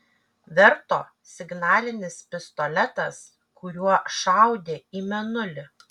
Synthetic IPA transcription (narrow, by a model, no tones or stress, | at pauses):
ʋʲɛɾt̪oː | sʲɪɡnɑːlʲɪnʲɪspʲɪst̪ɔlʲɛt̪ɐs | kʊɾʲuɔʃɑˑʊd̪ʲeːiːmʲɛnʊlʲɪ